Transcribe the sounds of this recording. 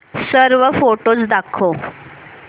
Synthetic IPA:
səɾʋəfoʈosd̪akʰo

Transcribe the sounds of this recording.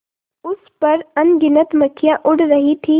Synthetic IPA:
ʊspɐɾɐnɡɪnət̪mɐkʰːjãʔʊɽɾɐɦit̪ʰiː

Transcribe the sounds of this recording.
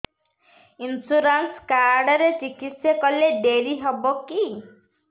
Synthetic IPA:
insuɾanskaɾɖɔɾet͡ʃikit̪sjɔkɔleɖeɾiɦɔbɔki

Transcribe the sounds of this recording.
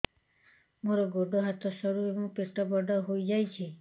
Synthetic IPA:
mõɾoɡoɖoɦat̪ʰoʃəɾueʋũpeʈɔbəɖəɦoid͡ʒajt͡ʃʰe

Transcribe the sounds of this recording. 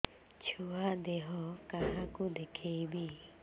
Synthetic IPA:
t͡ʃʰuad̪eɦɔkaɦakud̪ekʰebi

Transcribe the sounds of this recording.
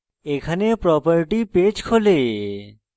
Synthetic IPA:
ekʰanepɾɔpaɾiʈiped͡ʑkʰole

